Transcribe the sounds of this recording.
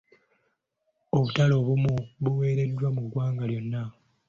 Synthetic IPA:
o̞βutalo̞ːβumuβuwe̞ːɾe̞dːwamuɡwaːŋɡaljo̞nːa

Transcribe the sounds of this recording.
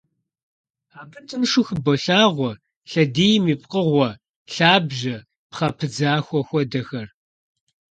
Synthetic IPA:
aːkʰʼɨntʼɨmʂʊxbɔɬaːʁʷɔ | ɬɐdiːjmiːp̚ʼqəʁʷɔ | ɬaːbʒɐ | pχɐpʰɨd͡zaːxʷɔxʷɔdɐxɐr

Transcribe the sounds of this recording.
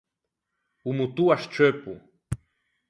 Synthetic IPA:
umut̪uaʃt͡ʃepṵ

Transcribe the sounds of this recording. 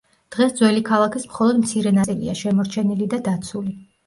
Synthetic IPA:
d̪̥ʁɛsd̪zwɛlikʰalˠakʰismχɔlˠɔd̪mt̪sʰiɾɛnasʼilḭaʃɛmɔɾt͡ʃʰɛnilid̪ad̪at̪sʰuli

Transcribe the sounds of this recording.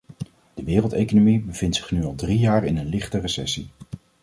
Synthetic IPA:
d̥əʋɪːrəlˠtejkonomibəv̥ɪntsɪ̥χnyɑlˠdrijaːrɪnənlɪχtərəsɛsi

